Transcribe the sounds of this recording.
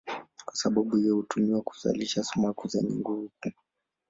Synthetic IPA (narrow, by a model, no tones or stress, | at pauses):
kwasaɓaɓuiɛhutumiwaku̥za̰liʃasumakuzɛɲɛŋɡuuku